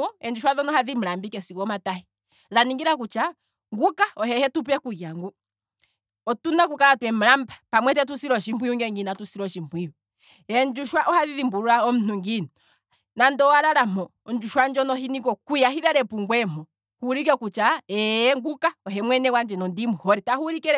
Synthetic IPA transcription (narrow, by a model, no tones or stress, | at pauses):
ɔɛnd͡ʒuʃwaðɔnɔhaðim̩lambikɛsikɔmatahi | ðaniŋɡiɾakut͡ʃa | ŋɡukaɔhɛhɛtup̬ɛkujaŋɡu | ɔtunakukalatwɛm̩lambḁpamwɛt̬ɛt̬usiɾɔʃimbwijuŋɡɛŋɡinatusiɾɔʃimbwiu | ɛnd͡ʒuʃwaʔɔhaðiðimbuɾuɾaɔm̩nuŋɡinɔ | nandɔwaɾaɾamɔ | nd͡ʒuʃwand͡ʒɔnɔɦinikɔkujaɦiɾɛɾɛpuŋɡwɛmɔ | huɾik̬ɛkut͡ʃaɛŋɡukaɔɦɛmwɛnɛwand͡ʒɛnɔndimuhɔɾitahuɾikɛ